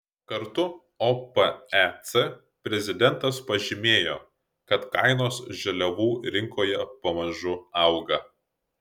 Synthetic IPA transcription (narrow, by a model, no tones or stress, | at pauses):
kɐɾt̪ʊ | opɐɛt̪sɛ | pʲɾʲɛzʲɪd̪ʲɛnˑt̪ɐspɐʒʲɪmʲeːjoː | kɐt̪kɐɪnoːsʒʲɛlʲɛʋuːɾʲɪŋkoːjɛpɐmɐʒʊɐʊɡɐ